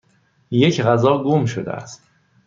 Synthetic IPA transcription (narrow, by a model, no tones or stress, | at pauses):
je̞cʰɣæzɒːɡuːmʃod̪ḛæ̰st̪